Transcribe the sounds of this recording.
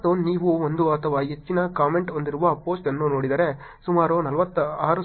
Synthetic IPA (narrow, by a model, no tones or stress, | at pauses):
t̪oniːʋuʋond̪uɐt̪ʰːɐʋaːɦet͡ʃːinɐkaːmeɳʈond̪iɾuʋaːpoːsʈenːunoːɽid̪aːɾe | sumaːɾunɐlʋɐt̪ːaːɾu